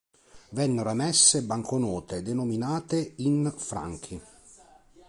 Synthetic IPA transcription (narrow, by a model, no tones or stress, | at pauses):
vɛnːeɾamɛsːebaŋkʰonɔːt̪ed̪enominaːt̪einfɾa̰ŋk̟ʰi